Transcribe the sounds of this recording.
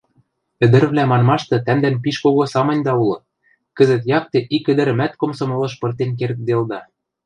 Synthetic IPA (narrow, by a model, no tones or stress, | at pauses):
ɘ̆d̪ɘ̆ɾβlæmɑnmɑʃt̪ɤ̆t̪æmd̪ænpiʃkoɣosɑmɤ̆nʲd̪ɑulɤ̆ | kɘ̆zɘ̆t̪jɑk̚t̪ĕʔikɘ̆d̪ɘ̆ɾɘ̆mæt̪komsɤ̆mɤ̆lɤ̆ʃpɤ̆rt̪enk̬erk̪̚d̪eld̪ɑ